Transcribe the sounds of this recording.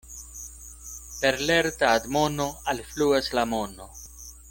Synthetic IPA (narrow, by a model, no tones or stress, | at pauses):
pe̞ɾleɾt̪aːd̪mono̞alfluaslamono